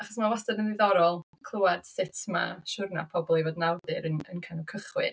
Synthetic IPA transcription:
aχɔsmawastadənɨðɔɾɔlˠ | kʰl̥ˠəwad̥sɪtʰma̰ʃʊrna̰pʰɔbɔlˠivoːdnawðɨɾənənkʰanɔkʰəχwɨ̰

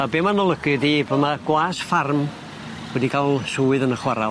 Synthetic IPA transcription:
abeːmanɔlˠəɡɨðiːbomaɡ̥waːsfarm | wɛdikʰalˠsuːɨðənəχwaɾa

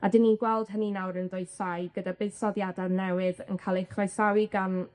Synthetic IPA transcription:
adɪnːinɡwɛlˠd̥ɦəninawɾənðʊjsajɡ̥ədabɨːðsɔðjadanɛwɪðə̰nkʰalˠɪχasawiɡan

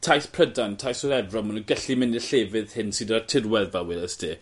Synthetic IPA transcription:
tʰajspʰrədantʰajsɔɾɛvrɔmənəɡəɬimɪnɪɬeːvɪð̥hɪnsidatʰɪrwɛvawɪləstʰi

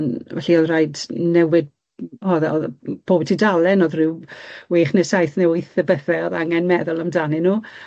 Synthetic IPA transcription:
nɛɬiɔðrajdnɛwɪd̚ | ɔðɔb̥oːbtʰidalˠɛnoðrɪwweːχnɛsajθnɛʊjθəbəθɛɔðaŋɛnmɛðʊlˠamdanɨnuː

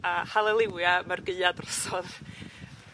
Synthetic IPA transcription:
ahalˠəlˠɪwjamarɡəɨadrəsɔð

